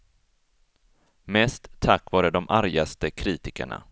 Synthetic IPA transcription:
mɛːst̪ʰːakːvɑːɾəd̪ɔmʔaɾjast̪əkʰɾiːt̪ɪkə̰ɳa̰

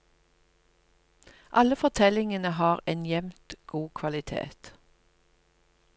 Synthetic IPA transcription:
ʔɑləfɔʁt̪ʰɛlɪŋənəhɑːʁeːnjɛmt̪ɡ̥uːkʰʋɑlɪt̪ʰḛːt̪

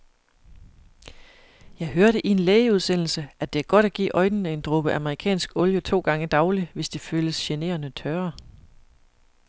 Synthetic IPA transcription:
jɑ̈ɪɦøɐɾəʔie̝nleːɪəuð̞ˠsen̰l̩səʔæd̥e̝æɐɡ̥ɒ̽ɾ̥æɡ̥ḭːʔɒ̽ɪnənəe̝nd̥ʁob̥əʔɑməʁikʰɛ̰ːnsɡ̥ɔ̽ljət͡sʰo̝̰ːɡ̥ɑ̈ŋəd̥ɑ̈ʊliʋe̝sd̥e̝føːləsɕene̝̰ːɐnət͡sʰɶːɐ

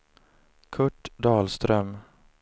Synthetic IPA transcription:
kʰɵʈːd̪ɑːlst̪ɾœm

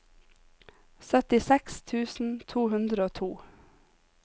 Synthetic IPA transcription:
sœt̪ɪsɛkst̪ʰʉːsn̩t̪ʰuːhʉnd̪ɾəoːt̪ʰuː

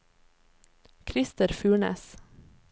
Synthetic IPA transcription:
kʰɾɪst̪əɾfʉːɳḛːs

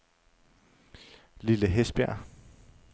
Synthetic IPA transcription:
liləɦesb̥æɐ̰

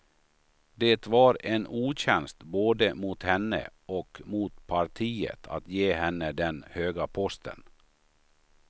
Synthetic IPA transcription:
d̪et̪vaɾenuːɕɛnst̪boːd̪əmuːt̪hɛnːə̰ɔkmuːt̪pʰaɾʈʰiːə̰t̪ʰa̰t̪jeːhɛnːəd̪ɛnhøːɡapʰɔst̪ʰə̰n

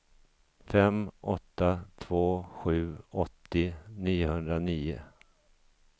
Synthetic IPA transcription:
fɛmʔɔt̪ːat̪ʰvoːɧʉ̟ːɔt̪ːɪniːʊhɵnd̪ɾaniːʊ̰

